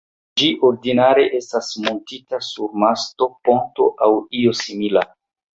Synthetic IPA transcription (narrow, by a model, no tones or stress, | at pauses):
d͡ʒiʔoɾdinaɾe̞ʔe̞stasmo̞ntitasuɾmasto̞po̞nto̞ʔawio̞simila